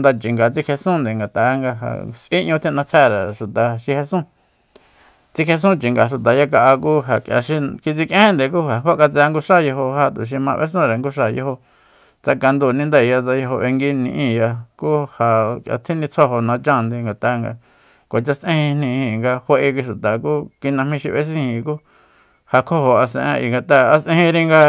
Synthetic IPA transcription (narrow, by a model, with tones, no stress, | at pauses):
nd̪a˧t͡ʃi˨ŋɡa˨t͡si˦kʰe˧sũ˦˨nd̪e˨ŋɡa˨t̪a˨˦˧ŋɡa˧ɦa̰˨sʔĩ˦ʔɲũ˧t̪ʰĩ˦˧nã˧t͡sʰɛ˦˨ɾa˨ʃu˨t̪a˨ʃi˧he˧sũ˦ | t͡si˧kʰe˧s̬ũ˦t͡ʃi˨ŋɡa˨ʃu˨t̪̬a˨ja˦˧k̬a˧ʔa˧kuː˦ɦa˨kja̰˨ʃi˧ki˧t͡si˧kʔẽ˦ẽ˦nd̪e˨kuː˦ha˨ɦo˦ka˧t͡sːŋɡu˧ʂa˦˨jo˧ɦo˧ha˧˨t̪u˨ʃ̬i˧mã˧βʔḛ˦s̬ũ˦ɾe˨ŋɡu˦ʂ̬a˧˨jo̰˧ho˧ | t͡sa˧ka˧nd̪u˧˨nĩ˧nd̪e˦˨ja˧t͡sa˧jo˧ɦo˧ʔe˧ŋɡi˦nĩ˧ʔĩ˧˨ja˧ku˦ha˨kja̰˧t̪ʰĩ˦nĩ˧t͡sʰo˦ɦo˧nã˧t͡ʃã˦˧nd̪e˧ŋɡa˨t̪a˧ŋɡa̰˧ | ko˨t͡ʃa˧sʔẽ˦hĩ˧nĩ˧hĩ˧˨ŋɡa˧he˧ʔe˧kʷi˧ʃu˨t̪a˨ku˦ki˧nã˧mĩ˧ʃi˧βe˦s̬ĩ˦˧hĩ˨kuː˦ | ha˧kʰo˦ho˧a˧sḛ̃˧ʔḛ̃˧ʔḭ˨ŋɡa˨t̪a˧a˧sʔẽ˧ĩ˧ɾi˧ŋɡa˧